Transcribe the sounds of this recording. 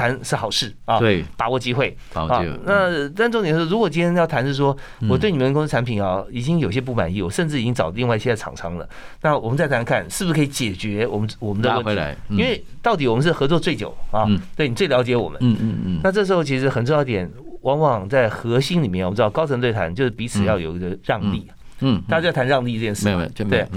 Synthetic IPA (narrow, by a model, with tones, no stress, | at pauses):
t̪ʰa˧˥nʂɻ̩˥˩xɑ˨˩ʊʂɻ̩˥˩ɔ˥˧˩p̪a˧˥wɔ˨˩t͡ɕi˥xwe˥˩ɪ˨˥˧ | na˥˧t̪nʈ͡ʂŋt̪j̩˨˩˥ɻu˧˥kwɔ˨˩t͡ɕi˥ə˥njɑ˥˩ʊt̪ʰa˧˥nʂɻ̩˥˩ʂ̬wɔ˥ | wɔ˨t̪we˥˩ni˨˩ə˦˧kɔ˥ʈ͡ʂʰa˧˥npʰi˨˩nɑ˧˩i˨˩t͡ɕi˥ŋjo˨˩ʊiɕjɛ˥p̬u˥˩ma̰˨˩ni˥˩wɔ˨˩ʂə˥˧nʈ͡ʂɻ̩˥˩i˨˩t͡ɕi˥ŋt͡sɑ˨˩ʊlə˦li˥˧ŋwa˥˧i˥˩ɕjʰɑ̰˨˩ŋʈ͡ʂʰɑ˧˥˦ŋlə̰˨na˥˩wɔ˨˩mə˦nt͡sa˥˩ɪt̪ʰa˧˥nkʰa˥˩nʂɻ̩˥˩bu˧˥kʰɤ˧˥i˧˥t͡ɕjɛ˨˩t͡ɕɥɛ˧˥wɔ˨˩mə˦wɔ˨˩mə˦ndə˧ə˥˩ḭ˧˦i˥nwe˥˧ɪt̪ɑ˥˩ʊt̪i˨˥wɔ˨˩mə˦nʂ̬ɻ̩˥˩xɤ˧˥t͡swɔ˥˧t͡swe˥˩ɪt͡ɕjo˨˩ʊɑ˥˧t̪we˥˩ɪni˨˩t͡swe˥˩ljɑ˧˥ʊt͡ɕjɛ˧˥wɔ˨˩mə˦na˥˧ʈ͡ʂɤ˥˩ʂ̬̩˧˥xo˥˧t͡ɕʰi˧˥ʂɻ̩˧˥xə˨˩nʈ͡ʂo˥˧jɑ˥˩˧t̪jɛ˨˩nwɑ˧˥ŋwɑ˨˩ŋt͡sa˥˩ɪxɤ˧˥ɕi˥ŋli˨mjɛ˥˩˧j̩̪˥˩˧ɑ˥˩kɑ˥ʊʈ͡ʂʰɤ˧ŋt̪we˥˩ɪtʰa˧˥nt͡ɕjo˥˧ʊʂɻ̩˥˩pi˧˥t͡sʰɹ̩˨˩jɑ˥˩ʊjo˨˩ʊ˧ɡə˧ɻɑ˥˧ŋt̪i˥˩ | t̪a˥˩t͡ɕa˥jt̪ʰa˧˥nɻɑ˥˧ŋt̪i˧ʈ͡ʂɤ˥˧t͡ɕjɛ˥˧nʂ̩˥˧e˥˩ɪ